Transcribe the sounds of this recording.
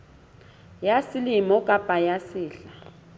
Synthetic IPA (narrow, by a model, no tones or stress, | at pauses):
jasiliimɔkʼab̥ʱajasiːɬa